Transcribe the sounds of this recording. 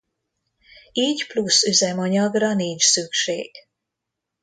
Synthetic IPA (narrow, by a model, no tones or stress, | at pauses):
iːɟplusyzɛmɒɲɒɡrɒniːɲt͡ʃsykʃḛːɡ̥